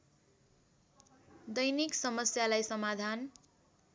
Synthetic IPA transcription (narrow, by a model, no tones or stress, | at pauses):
d̪ʌjniksʌmʌsjalajsʌmad̪ʱan